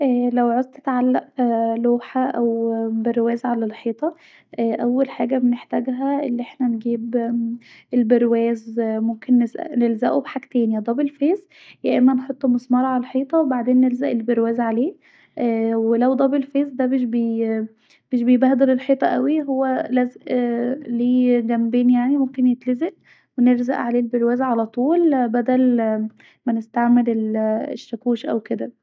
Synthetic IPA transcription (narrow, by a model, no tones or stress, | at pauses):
ʔælæwʕozt̪et̪ʕalːæʔloːħaʔæwbeɾwæːzʕalælħiːt̪ˤɑ | ʔʔæwːælħaːɡæbeneħt̪æːɡɦæʔelːiʔeħnænɡiːb | ʔelbeɾwæːzmomkenːesnelzæʔubħakt̪æːnjæd̪ˤɑbelfeːz | jæʔemːænħot̪ˤːmosˤmɑɾˤʕalælħiːt̪ˤɑwbaʕd̪eːnːelzæʔelbeɾwæːzʕaleː | welæwd̪ˤɑbelfeːzd̪æbeʃbe | b̥eʃbejbæhd̪elelħiːt̪ˤɑʔæwiɦowːælæzeʔliːɡæmbeːnjaʕnimomkenjet̪lezeʔ | weneɾzæʔʕaleːlbeɾwæːzʕalæt̪ˤuːlbæd̪æl | mænɪst̪aʕmelelḛʃːækuːʃʔæ̰wked̪æ